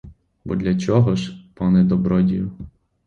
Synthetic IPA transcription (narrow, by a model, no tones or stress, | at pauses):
bɔ̰d̪lʲɐt͡ʃɔɦɔʒpɔnɛd̪ɔbɾɔdʲijʊ